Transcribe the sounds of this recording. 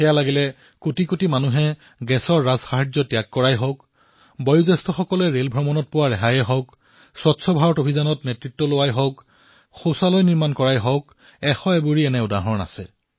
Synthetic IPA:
xɛjalaɡilɛ | kutikutimanuɦɛ | ɡɛsɔɹːazxaɦazɔtjakːɔɹajɦɔwk | bɔjuzɛstʰɔxɔkɔlɛɹelbʱɹɔmɔnɔt̚pʊwaɹɛɦajɛɦɔwk | swɔtsʰɔbʱaɹɔtobʱizanɔtnetɹitːɔlowajɦɔwk | xosalɔjniɹmankɔɹajɦɔʊk | ɛxɔɛbuɹiɛnɛʊdaɦɔɹna̰sɛ̰

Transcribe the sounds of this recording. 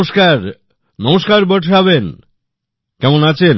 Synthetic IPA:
ʃkaɾ | nɔmoʃkaɾboʈʰɾaβen | kɛmonat͡ɕʰen

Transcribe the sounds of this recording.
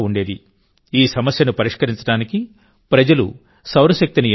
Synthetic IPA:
uɳɖe̞ːd̪i | iːsɐmɐsjɐnupɐɾiʂkɐɾiɲt͡ʃɐɽaːniki | pɾɐd͡ʒɐlṵ | sɐwɾɐʃɐk̚t̪ini

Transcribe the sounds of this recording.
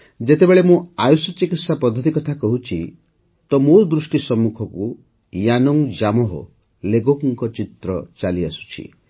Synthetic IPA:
d͡ʒet̪ebeɭemũajusɔt͡ʃikit̪sapɔd̪ʱːɔt̪ikɔt̪ʰakɔɦut͡ʃʰi | t̪ɔmoɾd̪ɾusʈisɔmːukʰɔku | janɔŋd͡ʒamɔɦɔ̰ | leɡokŋkɔt͡ʃit̪ɾɔt͡ʃaliasu̥t͡ʃʰḭ

